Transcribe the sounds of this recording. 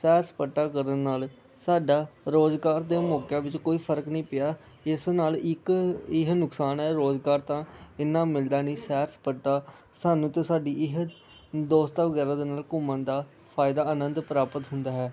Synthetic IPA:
sɛːɾspəʈːaːkəɾənːaːl | saːɖaːɾoːzɡaːɾd̪eːmoːkjãːʋɪt͡ʃkoːiːpʰəɾəknəĩːpɪjaː | ɪsnaːlɪkɪɦnʊksaːnɦɛːɾoːzɡaːɾt̪ãːɪnːãːmɪld̪aːnĩːsɛːɾspəʈːaː | saːnũːt̪õːsaːɖiːɪɦ | d̪oːst̪aːʋəɡɛːɾaːd̪eːnaːlkʊmãːnd̪aː | pʰaːɪd̪aːənənd̪pəɾaːpət̪ɦʊnd̪aːɦɛː

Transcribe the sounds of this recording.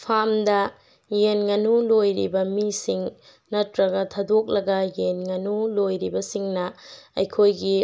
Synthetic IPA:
pʰamdɐ | jenŋɐnulojɾḭbɐmisiŋ | nɐtɾɐɡɐtʰadok̚lɐɡɐjenŋɐnulojɾibɐsiŋnɐɐjkʰojɡi

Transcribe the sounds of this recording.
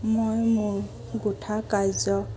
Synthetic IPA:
mojmʊɹ | ɡotʰakajzɔ

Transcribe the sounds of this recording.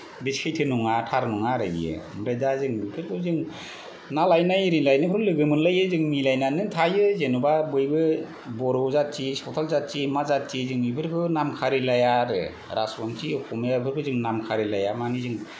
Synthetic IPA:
biskʰajtʰɯnuŋatʰaɾnuŋaɾɯḭjɯ̰mɾedazɯŋpʰɯɾkʰɯzɯŋ | nalajnajɾinlajnɯpʰɾklɯɡɯmɯnlajɯzɯŋmilajnanɯtʰajɯzenubabɯjbɯ | bɔɾɔzat̚t͡ʃisɔtʰalzat̚t͡ʃimazat̚t͡ʃizɯŋipʰɯɾkʰɯnamkʰaɾilajaɾɯ̰ | ɾasɔntʰiɔkʰɔmɯjapʰɯɾkʰɯzɯŋnamkʰaɾilajamanizɯŋ

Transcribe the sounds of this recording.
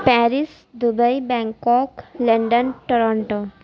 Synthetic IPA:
pɛɾis | d̪ubəjbɛŋkɔkleɳɖənʈoɾɔɳʈo

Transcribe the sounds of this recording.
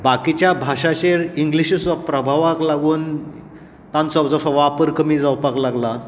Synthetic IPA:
bakit͡ɕjabʱaʂat͡ɕeɾiŋɡliɕusɔpɾəbʱaʋaklaɡuːn | t̪ãnt͡sɔbd͡zɔsɔʋapəɾkəmiːd͡zawpaklaɡla

